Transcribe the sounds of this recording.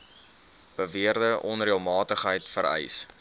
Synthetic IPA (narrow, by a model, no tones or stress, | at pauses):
b̥əviərdəʔɔnriəlˠmɑːtəχɦəjtfəɾɛ̰js